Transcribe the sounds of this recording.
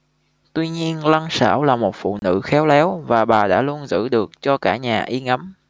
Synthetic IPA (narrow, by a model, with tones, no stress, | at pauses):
t̪wi˧ɲi˧ənla˧ŋsa̰ː˧˩wlaː˨˩mo˨˩t̚fṵ˧˨nɨ̰˧˥xɛ˨˦wlɛ˨˦wvaː˨˩ɓaː˨˩ɗa̰ː˧˥lu˧ənzɨ̰˧˥ɗɨ˨˩ək̚t͡ɕɔ˧kaː˧˩ɲaː˨˩ʔi˧ŋa˨˦m